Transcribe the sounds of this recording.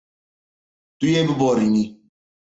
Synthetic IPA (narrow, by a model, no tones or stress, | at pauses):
t̪ujebɨbɔɾini